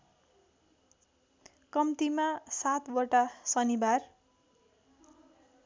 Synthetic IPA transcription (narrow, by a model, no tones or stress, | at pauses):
kʌmt̪imasat̪bʌʈasʌnibar